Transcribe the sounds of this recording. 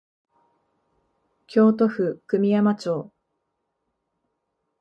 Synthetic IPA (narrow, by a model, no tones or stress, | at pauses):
kʲo̞ːt̪o̞ɸɯ̟kɯ̟mʲijamat͡ɕo̞ː